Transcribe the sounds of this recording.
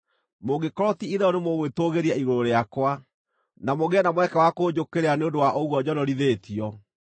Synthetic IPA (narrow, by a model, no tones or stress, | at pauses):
moɡekɔɾɔtiiðɛɔnemoɣwetoɣeɾiaiɾoɾoɾeakwa | namoɣeɛnamwɛkɛwakod͡ʑokeɾeaneondowaʔoɣwɔd͡ʑɔnɔɾiðetiɔ